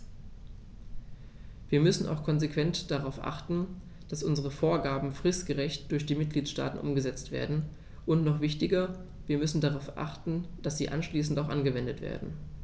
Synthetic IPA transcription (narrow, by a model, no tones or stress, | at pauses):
viːɐmʏsn̩ʔa̰ʊxkʰɔnzekv̥ɛntd̥aʁaʊfʔa̰χtn̩ | d̥asʔʊnzəʁ̞əfoːɐɡaːbm̩fʁ̥ɪstɡ̥əʁɛçtd̥ʊɐçd̥iːmɪt̚ɡ̥liːtʃta̰ːtn̩ʔʊmɡəzɛt͡stv̥ḛːɐdn̩ | ʔʊntnɔχv̥ɪçtɪɡɐ | viːɐmʏsn̩daʁaʊfʔa̰χtn̩d̥asz̥ḭːʔa̰nʃliːsn̩taʊxʔanɡəvɛndətv̥ḛːɐdn̩